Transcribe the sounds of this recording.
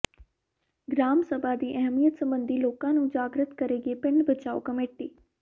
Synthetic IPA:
ɡɾaːmsəbʱad̪iːʔɛɦmijət̪sə̃mbənd̪ʱiloːkãːnũːd͡ʒaːɡɾət̪kəɾeːɡepɪ̃ɳɖbət͡ʃaːo̰kəmeːʈiː

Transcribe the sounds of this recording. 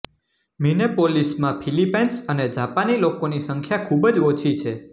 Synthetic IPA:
minepolismãpʰilipensəned͡ʒapanilokonisəŋkʰjakʰubəd͡ʒot͡ʃʰit͡ʃʰe

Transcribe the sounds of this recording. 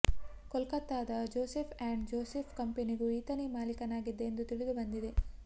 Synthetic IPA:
kɔlkɐt̪ːaːd̪ɐd͡ʒoːsepʰaːɳɖd͡ʒoːsepʰkɐmpeniɡuiːt̪ɐnemaːlikɐnaːɡid̪ːeend̪ut̪iɭid̪ubɐnd̪id̪e̞

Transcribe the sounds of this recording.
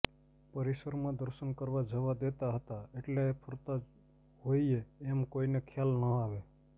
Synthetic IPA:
pəɾisəɾmãd̪əɾʃənkəɾʋad͡ʒəʋad̪et̪aɦət̪aeʈlepʰəɾt̪a | ɦoieːmkoinekʰjalnəaʋe

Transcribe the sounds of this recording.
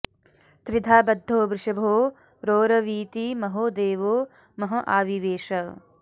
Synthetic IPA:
t̪ɾɪd̪ʱaːbɐd̪ʱːoːbɾɪʃɐbʱoː | ɾoːɾɐʋiːt̪imɐɦoːd̪eːʋoː | mɐɦɐʔaːʋiʋeːʃɐ

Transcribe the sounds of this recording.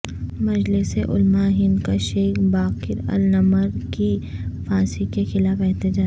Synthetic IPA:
mɐd͡ʒlɪseʔʊ̰lmaɦɪ̃nd̪kaʃeːxbaːkɪɾɐ̰lnɐməɾkifaːsikexɪlaːfɛɦt̪ɪd͡ʒaː

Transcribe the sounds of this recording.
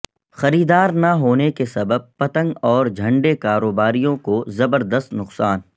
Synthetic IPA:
xɐɾiːd̪aːɾnaɦoːnekesɐbəb̚pɐt̪ə̃ŋɡɔːɾd͡ʒʱɐ̃ɳɖekaːɾoːbaːɾijõkozɐbəɾd̪əst̪nʊqsaːn

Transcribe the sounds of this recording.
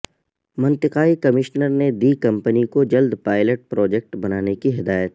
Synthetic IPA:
mɐ̃nt̪ɪqaːikɐmɪʃnəɾned̪iːkɐ̃mpənikod͡ʒɐld̪paːɪləʈ̚pɾɔːd͡ʒek̚ʈbɐnaːnekiɦɪd̪aːjət̪

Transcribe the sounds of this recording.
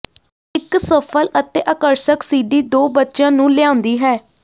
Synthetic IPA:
ɪksəpʰələt̪eːʔəkəɾsəksiːɖiːd̪oːbətːʃãːnũːlɪãːʊ̃nd̪iːɦɛː

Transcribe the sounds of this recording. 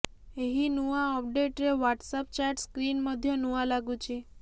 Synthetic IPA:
eɦinũãɔp̚ɖeʈɾeʋaʈsəp̚t͡ʃaɾʈskɾinməd̪ʱjonuãlaɡũt͡ʃʰe

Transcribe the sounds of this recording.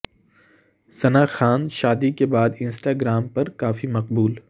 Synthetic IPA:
sɐnaːxaːnʃaːd̪ikebaːd̪ɪ̃nsʈaːɡɾaːmpɐɾkaːfimɐqbuːl

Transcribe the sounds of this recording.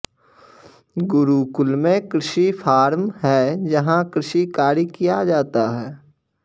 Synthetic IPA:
ɡʊɾukʊlmẽkɾɪʃipʰaːɾmɦɛːd͡ʒɐɦãkɾɪʃikaːɾikijad͡ʒaːt̪aɦɛː

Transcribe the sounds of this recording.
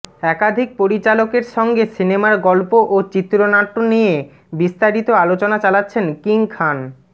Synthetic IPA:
ɛkad̪ʱik̚poɾit͡ɕalokeɾʃɔŋɡesinemaɾɡɔlpoʔot͡ɕit̪ːɾonaʈːonije | bist̪aɾit̪oalot͡ɕonat͡ɕalatːɕʰenkiŋkʰan

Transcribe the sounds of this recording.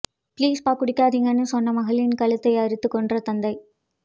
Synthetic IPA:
pliːspaːɾkʊɽɪkːaːðɪŋɡɐnːɯsɔnːɐmɐɣɐɭɪnkɐlɯt̪ːɐɪɐɾɯt̪ːɯkːɔɳɖrɐt̪ɐnd̪ɐɪ

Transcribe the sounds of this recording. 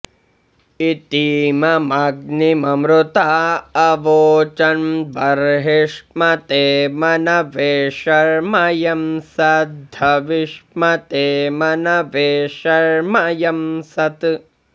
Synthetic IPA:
it̪iːmɐmɐɡ̚nimɐmɾut̪aːɐʋoːt͡ʃɐnbɐɾɦiʂmɐt̪eːmɐnɐʋeːʃɐɾmɐjɐmsɐd̪ʱɐʋiʂmɐt̪eːmɐnɐʋeːʃɐɾmɐjɐmsɐt̪

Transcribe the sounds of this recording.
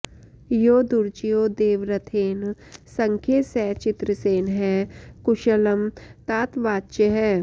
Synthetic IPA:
joːd̪uɾd͡ʒijoːd̪eːʋɾɐt̪ʰeːn | sɐ̃ŋkʰjesɛːt͡ʃɪt̪ɾəseːnɦɛːkʊʃələmt̪aːt̪ʋaːtːt͡ʃəɦɛː

